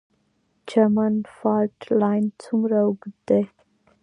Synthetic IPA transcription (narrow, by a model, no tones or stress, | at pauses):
d͡ʒəmənfalʈlajnt͡sʰumɾəwɡud̪e